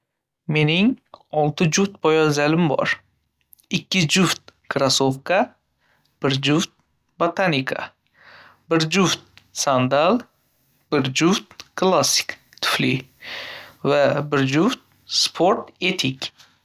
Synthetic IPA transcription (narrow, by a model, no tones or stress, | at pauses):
me̞nɪŋɒlˠt̪ʰɪd͡ʒuft̪̚bɒjɒzalɪmbɒ̰ɾ | ɪkʲːɪd͡ʒʊft̪̚kʰɾasofkʰa | b̥ɪɾd͡ʒʊft̪̚ | bot̪ʰanikʰa̰ | bɪɾd͡ʒʊft̪̚sand̪alˠ | b̥ɪɾd͡ʒʊft̪̚kʰlˠasːɪ̥k | t̪ʰʊ̥flɪ | vabɪɾd͡ʒʊft̪̚ | spʰoɾt̪et̪ʰikʲ